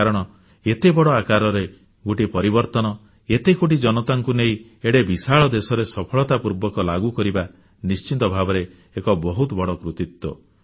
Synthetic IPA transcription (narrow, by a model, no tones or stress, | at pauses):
aɾɔɽ̃ɔ | et̪ebɔɽɔakaɾɔɾe | ɡoʈipɔɾibɔɾt̪ɔnɔ | et̪ekoʈ̬id͡ʒɔnɔt̪aŋkuneĩeɽebisaɭɔd̪esɔɾesɔpʰɔɭɔt̪apuɾbɔkɔlaɡukɔɾiba | nist͡ʃit̪ɔbʱabɔɾeː | kɔbɔɦut̪ɔbɔɽɔkɾut̪it̪wɔ̰